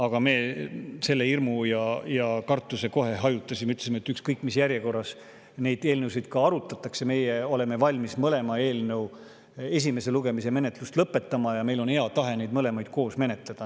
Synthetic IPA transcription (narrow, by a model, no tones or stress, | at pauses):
ɑɡ̥ɑme̞ːse̞lːe̞irmujɑjɑkɑrt̪ˑːuse̞ko̞ɦe̞ɦɑjut̪ːˑɑsimeyt̪ːˑleimet̪ːˑykskɤjkːˑmisjæɾje̞ko̞rːɑs | ne̞jd̪̥e̞ːlnewsid̪̥kɑɑɾut̪ːˑɑt̪ːˑɑkse̞me̞jeo̞le̞me̞vɑlʲmismɤle̞mɑe̞ːlnew | e̞s̬ʲime̞se̞luɡ̥e̞mise̞me̞ne̞t̪ˑlust̪lɤpːe̞t̪ːˑɑmɑjɑmejlo̞nhe̞ɑt̪ɑɦe̞nejd̪mɤle̞mɑjd̪̥̚ko̞ːsme̞ne̞t̪ˑle̞d̪̥ɑ